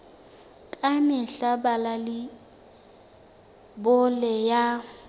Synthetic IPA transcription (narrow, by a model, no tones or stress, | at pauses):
kʼamɪɬabalalɪ | bʊlɛja